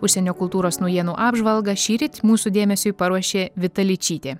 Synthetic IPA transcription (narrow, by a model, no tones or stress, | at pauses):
ʊʃʲsʲɛnʲoːkʊlˠt̪uːɾoːsnʊɔjiɛnuːʔɑːbʒʋɐlˠɡɐʃʲiːɾʲɪt̪ʲmuːsud̪ʲeːmʲɛsʲʊɪpɐɾuɔʃʲeːʋʲɪt̪ɐlʲɪt͡ʃʲiːt̪ʲeː